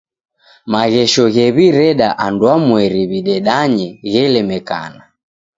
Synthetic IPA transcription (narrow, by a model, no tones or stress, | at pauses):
maɣɛʃɔɣɛβiɾɛɗaʔandwamwɛɾiβiɗɛɗaɲɛɣɛlɛmɛka̰na